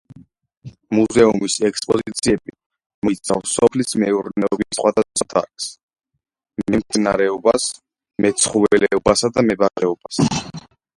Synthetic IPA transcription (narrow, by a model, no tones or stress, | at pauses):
muzɛumisɛkspʼɔzit̪sʰiɛbi | mɔit̪sʰafsːɔpʰlismɛuɾnɛɔbisqwad̪asat̪ʰa̰ɾks | mɛmt̪ssʰʼinaɾɛɔbas | mɛt̪sʰχuvɛlɛɔbasad̪amɛbaʁɛɔb̥as